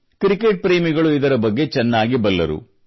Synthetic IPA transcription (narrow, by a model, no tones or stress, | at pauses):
kɾikeʈ̚pɾeːmiɡɐɭuid̪ɐɾɐbɐɡːe̞t͡ʃɛnːaːɡibɐlːɐ̰ɾṵ